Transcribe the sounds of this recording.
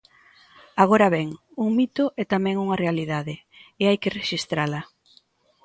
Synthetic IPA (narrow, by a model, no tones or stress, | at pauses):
aɣ̞oɾɐβɛŋ | uŋmit̪ʊʔɛt̪amɛ̃ŋuŋɐrealiðaðɪeajkɪreʃist̪ɾalɐ